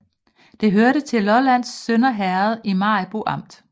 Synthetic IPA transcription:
d̥e̝ɦøɐɾət͡sʰe̝lɒlæn̰sːønɐɦæɐð̩ˠimɑ̈ɪb̥uʔɑ̈m̰d̥

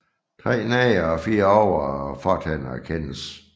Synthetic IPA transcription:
t͡sʰʁɛ̰ːnɛːɒfiːɐɒʊ̰fɒd̥hænækʰen̰s

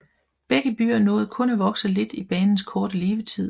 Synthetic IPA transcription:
b̥eɡ̥əb̥y̰ːɐnɔ̽ːð̩ˠkʰɔ̽næʋɒ̽ɡ̥sɐle̝d̥ib̥ɛːnn̩skʰɒːɾ̥əle̝ːʋət͡sʰið̰ˠ

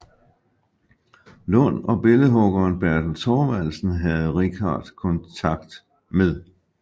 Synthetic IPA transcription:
lɔ̽nɒ̽b̥e̝ləɦɔ̽ɡ̥ɐːnb̥æɐ̰d̥n̩t͡sʰɒːʋælsn̩ɦæð̞̩ˠʁikʰɑ̰̈ːd̥kʰɔ̽nt͡sʰɑ̈ɡ̥̚d̥ | meðˠ

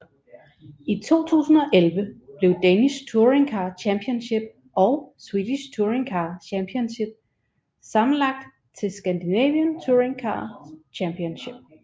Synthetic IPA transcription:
it͡sʰo̝̰ːt͡sʰṵːsn̩ɒ̽ʔelʋəb̥le̝ʊd̥enist͡sʰuɐʁe̝ŋkʰɑ̈ːt͡ɕʰæmpʰiɔnɕe̝b̥̚ | ɒ̽ʊswiːd̥iɕt͡sʰuɐʁeŋkʰɑ̈ːɕæmpʰionɕe̝b̥̚ | sɑ̈mn̩lɑ̈ɡ̥̚d̥ | t͡sʰe̝lsɡ̥ænd̥inɛ̰ːʋiənt͡sʰuɐeŋkʰɑ̰̈ːt͡ɕʰæmpʰiɔnɕe̝b̥̚

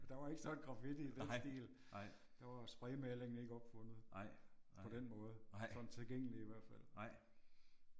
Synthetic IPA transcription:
d̥ɑ̈ʋɑ̈e̝ɡ̥əsɒ̽nɡ̥ʁɑ̈fid̥id̥ensd̥ḭːl | d̥ɑ̈ʋɑ̈sb̥ʁɛɪmæleŋn̩e̝ɡ̥əɒ̽b̥fɔ̽n̰ð̩ˠpʰɒ̽d̥enmɔ̽ːð̞̩ˠsɒ̽d̥n̩t͡sʰe̝lɡ̥eŋ̰əliiʋæɐ̰d̥fæl̰

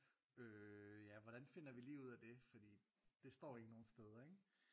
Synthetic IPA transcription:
øjæʋɒɾ̥ænfe̝n̰ɐʋiliːuð̞̰ˠæd̥e̝fɒ̽d̥ḭː | d̥e̝sd̥ɒ̰ːe̝ɡ̥əno̝ːn̩sd̥eð̞ˠɐeɡ̥

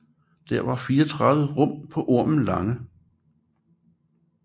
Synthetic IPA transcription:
d̥æɐ̰ʋɑ̈fiːɐɒt͡sʰʁɑðˠʋəʁɔ̽m̰pʰɒ̽ʔo̝ɐ̰mn̩lɑ̈ŋə

